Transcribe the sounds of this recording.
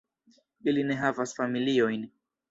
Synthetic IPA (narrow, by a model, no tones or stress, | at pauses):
ilinɛɦavasfamiliɔjni